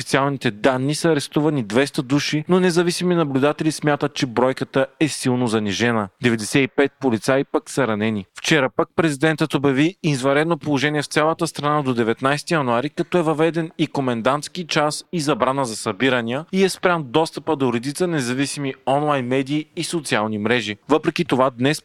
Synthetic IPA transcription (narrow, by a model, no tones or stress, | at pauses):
fit̪sialˠnit̪ɛd̪anːisəɐɾɛst̪uvɐnid̪vɛst̪əd̪uʃinonɛzɐvisiminɐblʲud̪at̪ɛlismʲjat̪ət̪̚t͡ʃɛbɾɔjkət̪əɛsilˠnozɐniʒɛnəd̪ɛvɛd̪ɛsɛipɛt̪̚polit̪sajipəksɐɾɐnɛnift͡ʃɛɾəpək̚pɾɛzid̪ɛnt̪ət̪objɐviizvɐɾɛd̪nopolˠoʒɛnʲiɛft̪sʲalˠət̪əst̪ɾɐnad̪od̪ɛvɛt̪najsɛt̪ijɐnuaɾikɐt̪ɔɛvɐvɛd̪ɛnikomɛnd̪ant̪sk̟it͡ʃasizɐbɾanəzɐsɐbiɾɐnijəiɛspɾʲamd̪ɔst̪əpəd̪oɾɛd̪it̪sənɛzɐvisimiɔnlˠajnmɛd̪iːsot̪sialˠnimɾɛʒivɤpɾɛkit̪ovad̪nɛs